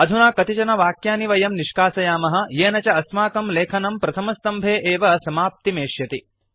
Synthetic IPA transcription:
ɐd̪ʱunaːkɐt̪it͡ʃɐnɐʋaːkjaːniʋɐjɐmniʃkaːsɐjaːmɐɦɐ̆jeːnɐt͡ʃɐɐsmaːkɐmleːkʰɐnɐmpɾɐt̪ʰɐmɐst̪ɐmbʱeːʔeːʋɐsɐmaːp̚t̪imeːʃjɐt̪i

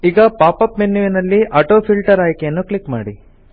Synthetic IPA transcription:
iːɡɐpaːpɐpmenːuʋinɐlːiʔɐʈoːpʰilʈɐɾaːjkejɐnːukɭikmaːɽi

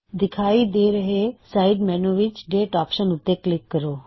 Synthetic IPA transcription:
d̪ɪkʰaːid̪eːɾəɦesaɪɖmɛːnuʋɪt͡ʃɖeːʈaːpʃənʊt̪ːeklɪkːəɾoː

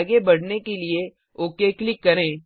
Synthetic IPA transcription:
ɡebɐɽ̤nekelie | oːkeklɪkːɐɾẽː

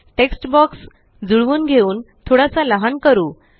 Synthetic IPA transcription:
ʈeksʈbɔks | d͡zuɭʋuːnɡʱeuːnt̪ʰoɽasaləɦankəɾuː

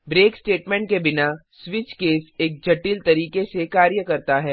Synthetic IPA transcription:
bɾeːksʈeːʈmɛ̃ːɳʈ̚kebɪna | swɪt͡ʃkeːseːk̚d͡ʒʱɐʈiːlt̪ɐɾiːkesekaːɾjəkɐɾt̪aɦɛː

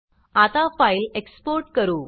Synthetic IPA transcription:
at̪afailekspoɾʈkəɾuː

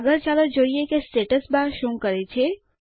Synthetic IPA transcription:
ɡəɾt͡ʃaləd͡ʒoiekesʈeʈəsbaɾʃũkəɾet͡ʃʰe

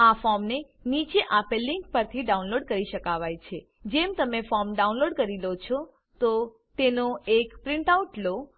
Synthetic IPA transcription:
afɔmne | nit͡ʃeʔapelːiŋk̚pəɾt̪ʰiɖaũnloɖkəɾiʃəkaʋajt͡ʃʰe | d͡ʒemt̪əmefɔmɖaũnloɖkəɾilot͡ʃʰɔ | t̪o | t̪enoekpɾɪɳʈawʈlo

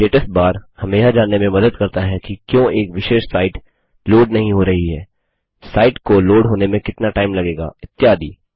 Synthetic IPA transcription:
leːʈəsʈ̚baːɾhɐmeːʃad͡ʒaːnːemẽmɐd̪əd̪̚kɐɾt̪aɦɛkikjõːʔeːkʋɪʃeːʃsaːɪʈ | loːɖnɐɦĩɦoɾɐɦiɦɛː | saːɪʈkoloːɖɦoːnemẽkɪt̪naʈaːɪmlɐɡeːɡa̰ːɪt̪ːjaːd̪iː

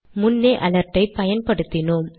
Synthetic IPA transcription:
mʊnːeːʔɐlɐɾʈːɐɪpːɐjɐnpɐɽɯt̪ːɪnoːm

